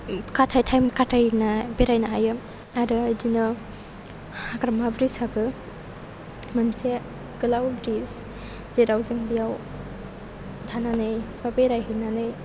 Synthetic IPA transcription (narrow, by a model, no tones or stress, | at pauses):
katʰajtʰajmkatʰajnabeɾajnaajɯ | aɾɯjdinɔ | hakɾamabɾisabɯ | mɯnse | ɡɯlawbɾis | zeɾawzɯŋbijaw | dʰʱananɯjbabeɾajɦɯnanɯj